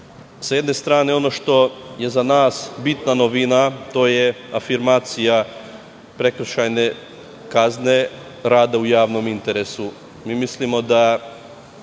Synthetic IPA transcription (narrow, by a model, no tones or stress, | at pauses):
sjed̪ne̞st̪ɾaːne̞o̞no̞ʃt̪o̞je̞zanaːsbit̪nanoʋinat̪o̞je | afiɾmaːt̪sija | pɾe̞kɾ̩ʃajne̞ | kazne̞ | ɾaːd̪aujaːʋno̞mint̪e̞ɾe̞su | miːmislimo̞d̪a